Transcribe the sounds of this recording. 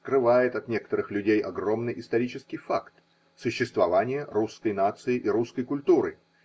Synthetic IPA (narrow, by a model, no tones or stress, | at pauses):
skɾɨvajɪt̪ɐt̪nʲe̞kə̥t̪əɾɨxlʲʉdʲejʔɐɡro̞mnɨjʔɪst̪ɐɾʲit͡ɕɪskʲɪjfakt̪ | sʊɕːɪst̪vɐvanʲɪjəɾuskəjnat̪sɨɪʔɪɾuskəjkʊlʲt̪uɾɨ